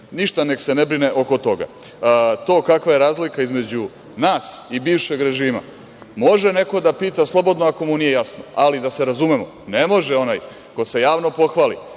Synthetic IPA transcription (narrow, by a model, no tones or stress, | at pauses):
niʃt̪anekse̞nebɾineʔo̞ko̞t̪o̞ɡa̰ | t̪o̞ːkakʋaje̞ɾaːzlikaizme̞d͡ʑu | naːsibiːʋʃe̞ɡɾe̞ʒiːma̰ | mo̞ʒene̞ko̞d̪apiːt̪aslˠo̞bo̞d̪noako̞munije̞jasnoalid̪ase̞ɾazumemo | nemo̞ʒeo̞naːj | ko̞se̞jaːʋno̞po̞xʋaːlḭ